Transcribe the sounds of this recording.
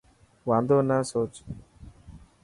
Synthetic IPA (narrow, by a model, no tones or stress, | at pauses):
ʋaːnd̪onːaːsot͡ʃu̥